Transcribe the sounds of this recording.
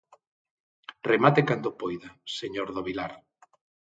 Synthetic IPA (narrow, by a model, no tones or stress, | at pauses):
remat̪ekand̪opojðaseɲoɾðoβilaɾ